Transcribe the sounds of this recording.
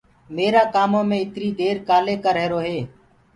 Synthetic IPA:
meːɾaːkaːmõːmẽːɪt̪ɾiːd̪eːɾkaːleːkəɾɦeːɾoːɦeː

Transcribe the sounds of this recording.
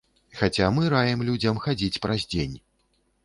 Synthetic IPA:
xat͡sʲamɨɾajɛmlʲud͡zʲɐmxad͡zʲit͡sʲpɾɐzʲd͡zʲenʲ

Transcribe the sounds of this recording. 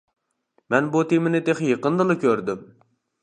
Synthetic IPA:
mɛnbut̪ʰemɪnɪt̪ʰeχjeqənd̪ɨlˠɨkʲʰøɾd̪ɪm

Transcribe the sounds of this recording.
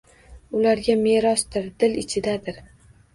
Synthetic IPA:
ʊlaɾɡʲame̞ɾɒsd̪ɪɾd̪ɪlɪt͡ʃʰɪd̪ad̪ɪɾ

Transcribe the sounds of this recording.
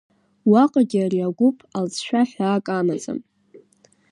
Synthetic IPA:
waqʼaɡʲiariaɡʷʊpʼʰalzʃᶣaħaːkʼamazʼɨ̰m

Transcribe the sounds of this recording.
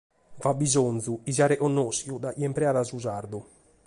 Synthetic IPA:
vabːizont̪zuiziaɾɛʔɔnːɔsjud̪ajɛmpɾɛaːɾasuzaɾd̪u

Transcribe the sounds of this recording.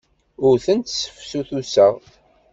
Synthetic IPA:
ʊɾθənt̪sə̥fsuθusəʁ

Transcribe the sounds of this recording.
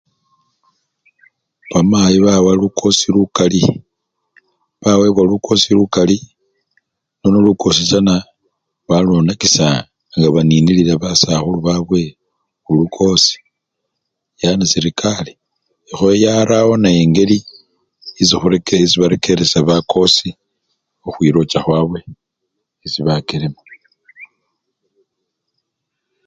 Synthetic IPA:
βamajiβawalukʰo̞silukali | βawe̞βwaluko̞silukali | nonuluko̞s̬it͡ʃana | βalonakisa | ŋɡaβaninililaβasaxuluβaβwe̞ | ulukʰo̞si̥ | janasiɾikʰaliː | xojaɾawo̞najeŋɡe̞li | isixuɾekeiziβaɾekʰe̞ɾesaβakʰo̞si | uxwiːɾo̞t͡ʃaxwaːβwe̞ | iziβakelemo

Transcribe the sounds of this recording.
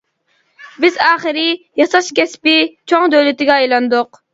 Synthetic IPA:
bɪzɑːχəɾɪ | jɑsɑʃkʲɛspɪt͡ʃʰoŋd̪øwlɪt̪ɪɡʲɛɑjlˠɑnd̪ʊq

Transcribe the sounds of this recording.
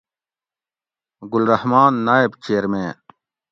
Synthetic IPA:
ɡulɾɐhmaːnːaːebt͡ɕeːɾmẽː

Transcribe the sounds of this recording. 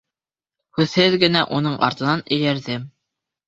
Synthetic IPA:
hʉðhɘðɡɘ̆næʔunɤɴʔɑ̰ɾt̪ɤ̆nɑnɵ̆jæɾðɘm

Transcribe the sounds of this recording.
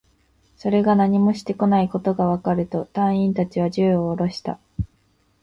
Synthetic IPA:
so̞ɾe̞ɡanaɲ̟imo̞ɕi̥t̪e̞ko̞naiko̞t̪o̞ɡaβ̞akaɾɯ̟t̪o̞t̪ãɰ̃ĩnt̪at͡ɕiβ̞aʑɨːoːɾo̞ɕi̥t̪a̰

